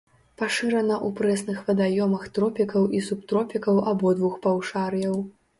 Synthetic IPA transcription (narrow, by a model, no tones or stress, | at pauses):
paʂɨɾɐnɐʔupɾɛsnɨxvɐd̪ajɔmɐxt̪ɾɔpʲikɐwʔisup̚t̪ɾɔpʲikɐwʔabɔd̪vuxpawʂarjɐw